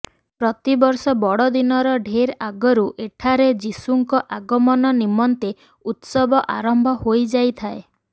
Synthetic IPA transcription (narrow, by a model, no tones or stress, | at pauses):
pɾɔt̪ibɔɾsɔbɔɽɔd̪inɔɾɔɖʱeɾaɡɔɾuʔeʈʰaɾed͡ʒisuŋkɔʔaɡɔmɔnɔnimɔnt̪e | ut̪sɔbɔʔaɾɔmbʱɔhojd͡ʒajt̪ʰae